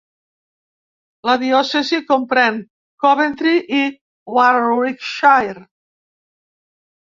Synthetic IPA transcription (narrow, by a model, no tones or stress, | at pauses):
laðiɔsezikompɾɛŋ | kɔβent̪ɾiʔi | waɾikʃajɾ